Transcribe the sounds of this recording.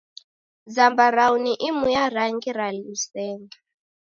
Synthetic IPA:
d͡zambaɾauniʔimujaɾaŋɡiɾalusɛːŋa

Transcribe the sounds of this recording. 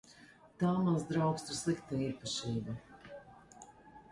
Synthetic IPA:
t̪aːmanzd̪ɾaʊkst̪ɾslˠikt̪aiːpaʃiːba

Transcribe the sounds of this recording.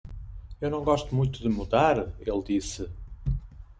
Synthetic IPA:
ewnɐ̃w̃ɡɔʃt̪umũj̃t̪uðɨmuðaɾelˠd̪isɨ

